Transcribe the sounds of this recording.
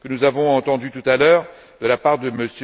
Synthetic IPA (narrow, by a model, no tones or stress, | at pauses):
kənuzavɔ̃ɑ̃t̪ɑ̃d̪yt̪ut̪alœːʁ | d̪əlapaʁd̪əməsj